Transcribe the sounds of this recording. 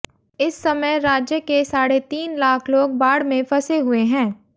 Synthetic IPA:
ɪsːɐməjɾaːd͡ʒjəkesaːɽet̪iːnlaːkʰloːɡ̚baːɽmẽpɐseɦʊeɦɛ̃ː

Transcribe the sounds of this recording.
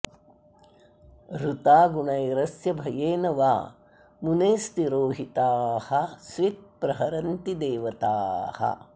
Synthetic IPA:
ɾut̪aːɡuɳɐjɾɐsjɐbʱɐjeːnɐʋa̰ː | muneːst̪iɾoːɦit̪aːhɐsʋit̪̚pɾɐɦɐɾɐnt̪id̪eːʋɐt̪aːhɐ̰

